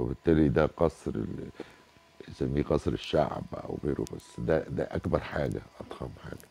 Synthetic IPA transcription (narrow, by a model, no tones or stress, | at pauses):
wɪbɪt̪ːæːlid̪æqɑsˤɾ̰ | zæmːiːqɑsˤɾɪʃːa̰ʕbʔæ̰wɣeːɾo̰bæsːd̪æd̪æ̰ʔækbɑɾˤħaːɡæʔɑt̪hɑmħa̰ːɡ̥æ̥